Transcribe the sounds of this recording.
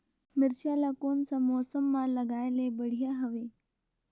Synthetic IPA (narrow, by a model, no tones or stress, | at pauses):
miɾɕjalakoɳt͡samɔsəmːaləɡajlebəɽ̤ijaɦəʋe